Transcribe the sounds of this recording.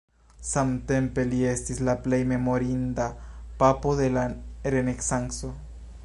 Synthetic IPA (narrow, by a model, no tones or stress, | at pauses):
samt̪empe̞lie̞stislaplejme̞mo̞ɾind̪apapo̞ðe̞laɾeneksaŋkso